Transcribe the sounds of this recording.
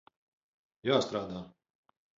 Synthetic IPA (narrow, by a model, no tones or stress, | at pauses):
jaːst̪ɾaːd̪aː